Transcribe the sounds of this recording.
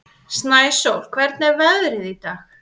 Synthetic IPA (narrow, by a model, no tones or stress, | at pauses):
snaːjsowl̥kʰvɛɾt̪nɛɾvɛðɾɪðit̪aːx